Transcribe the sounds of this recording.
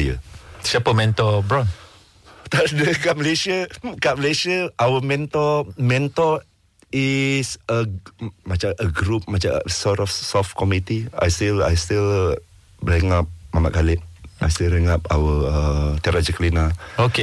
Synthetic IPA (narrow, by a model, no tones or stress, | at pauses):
jəsiapəmɛ̃nt̪ɔbɾɔn | t̪adəkaʔ̚məleʃəkaʔməlesiəʔawəmɛ̃nt̪ɔmɛ̃nt̪ɔ | isəmat͡ʃaəɡɾup̚mat͡ʃa̰sɔtɔfsɔfkʰɔmit̪ia̰jst̪ila̰jst̪il | lɛŋap̚mama̰ʔkalɪp̚a̰jst̪ilɾɛŋapa̰wəət̪aɾad͡ʒəklinaoke